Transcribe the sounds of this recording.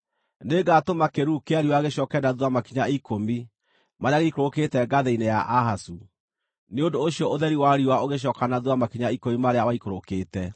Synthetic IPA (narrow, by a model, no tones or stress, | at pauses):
neɡatomakeɾukeaɾiwaɣeɕjɔkɛnaðwamakiɲaikomi | maɾeaɣeikoɾoketɛɡaðeinejaʔaɦasu | neondoːɕjɔʔoðɛɾiwaɾiwaoɣeɕ̬ɔkanaðwamakiɲaikomimaɾeawaikoɾokeːtɛ